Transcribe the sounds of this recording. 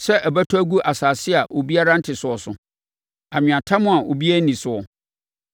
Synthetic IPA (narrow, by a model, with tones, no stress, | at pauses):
sɛ˦ʔæ˨bæ˦tʰːɡu˦ʔa˨saː˨sɪ˦a˨ʔo˨bi˦a˦ɾa˦n̩˦tʰɪ˨sʊ˨ɔ˨sʊ̰˨ | a˨ɲᶣɪ̃˨ã˨tʰa˦mʊ̃˦a˨ʔo̰˨bi˦a˦nĩ˨sʊ˨ɔ˨